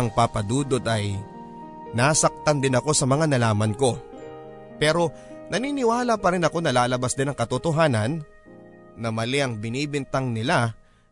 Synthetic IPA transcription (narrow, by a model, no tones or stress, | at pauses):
ɐŋpapɐd̪uːd̪o̞d̪ɐj | naːsɐk̚t̪ɐnd̪ɪnɐko̞sɐmɐŋanɐlaːmɐnko̞ | pɛːɾo̞nɐniːnɪwaːlɐpɐɾɪnɐko̞nɐlaːlɐbasd̪ɪnɐŋkɐt̪ot̪oɦaːnɐnː | ɐmɐlɪʔɐŋbɪniːbɪnt̪ɐŋnɪla